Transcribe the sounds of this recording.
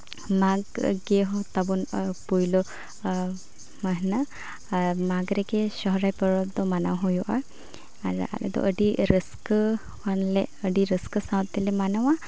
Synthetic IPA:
maɡɡeɦɔt̪abɔnpujlɔ | məɦna | maɡɾɛkɛsɔɦɾajpəɹɔd̪ɔmanawɦɔjɔʔa | aɾ̰a̰lɛ̰d̪ɔ̰ʔəɖiɾəskə | kanlɛəɖiɾəskəsawt̪ːɛlɛmanawa

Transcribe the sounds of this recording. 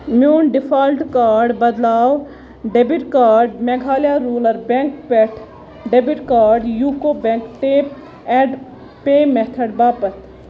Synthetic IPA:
mjuːnɖɪpʰaːlʈkaːɾɖbɐd̪laːw | ɖebiʈkaːɾɖmeɡʱaːljaɾuːləɾbẽŋkpːʈʰ | ɖebiʈkaːɾɖjuːkobẽŋkʈeːp | ɛ̃ɖ | peːmet̪ʰəɖbaːpət̪

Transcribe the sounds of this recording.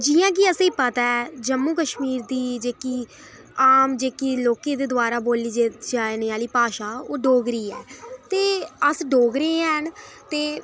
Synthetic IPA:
d͡ʒiːãːk̬ɪəsẽːpət̪aːd͡ʒəmːuːkəʃmiːɾd̪iːd͡ʒeːkiː | aːmd͡ʒeːkiloːkẽːd̪eːd̪ʊaːɾaːboːliːd͡ʒeːd͡ʒaːeneaːliːpaːʃaːoːɖoːɡɾiːɛːt̪eːəsɖoːɡɾeːən | t̪eː

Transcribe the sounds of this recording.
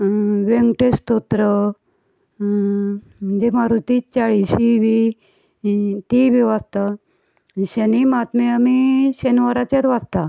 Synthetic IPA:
ʋeŋɡʈest̪ot̪ɾə | m̤əɳd͡zemaɾut̪it͡ɕaɭiɕiʋi | t̪iʋeʋast̪ə | ɕənimat̪meamiɕenʋaɾat͡ɕjat̪ʋast̪a

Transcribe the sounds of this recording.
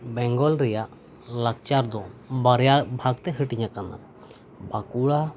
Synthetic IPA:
bɛŋɡɔlɾɛjaʔ | lak̚t͡ʃaɾd̪ɔbaɾjabʱaɡt̪ɛɦəʈiɲãkana̰ | bakuɭa

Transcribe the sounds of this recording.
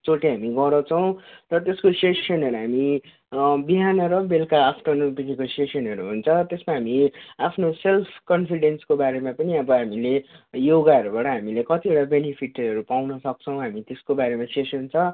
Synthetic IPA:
t͡soʈeɦamiɡʌrɾʌt͡sʰʌw̃rʌt̪eskosesʌnɦʌɾuɦami | biɦanʌɾʌbelkaːpʰʈʌnopikikosesʌnɦʌɾuɦunt͡sʰʌt̪esmaɦamiapʰnoselpʰkʌnpʰiɽenskobaɾemãpʌniʌbʌɦamilejoɡaʌɾubaʈʌɦamilekʌt̪ieʈabenipʰiʈʌɾupawnʌsʌk̚t͡sʰʌw̃ɦamit̪eskobaɾemãsesunt͡sʰʌ

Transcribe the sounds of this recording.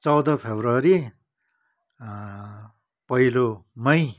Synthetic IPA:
t͡sʌwd̪ʌpʰebrʌɾi | pʌilomʌj

